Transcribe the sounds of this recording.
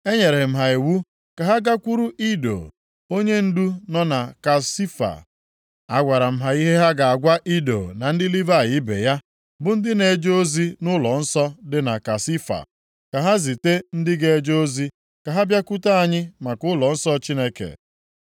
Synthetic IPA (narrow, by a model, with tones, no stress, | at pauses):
e˦ɲe˨ɾe˨e˨m̩˦ɦa˨e˨wu˦ | ka˨ɦa˦ɡa˦kʷu˦ɾu˦ʔi˦do̰˨ | o˦ɲe˦n̩˦du˦nɔ˦na˨ka˨si˦fa̰˨ | a˦ɡʷa˨ɾa˨m̩˦ɦa˨i˦ɦe˦ɦa˦ɡa˨a˨ɡʷa˦ʔi˦do̰˨na˨n̩˦dɪ˦li˦va˦˨jɪ˦bḛ˨ja˦ | bʊ˨˦n̩˦dɪ˦ne˨˦d͡ʒo˦o˦zi˦nʊ˦lɔ˨n̩˦sɔ˦dɪ˦na˨ka˨si˦fa̰˨ | ka˨ɦa˦zi˨te˦n̩˦dɪ˦ɡe˦e˦d͡ʒo˦o˦zi˦ | ka˨ɦa˦bja˦ku˦ta˦a˦ɲɪ˦ma˨kʊ˦lɔ˨n̩˦sɔ˦t͡ʃi˦ne˦kḛ˨